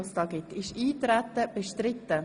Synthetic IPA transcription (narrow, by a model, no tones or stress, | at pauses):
lst̪ɑɡɪtɪʃiːt̪ɾæt̪ːəb̥ɛʃtɾɪt̪ːə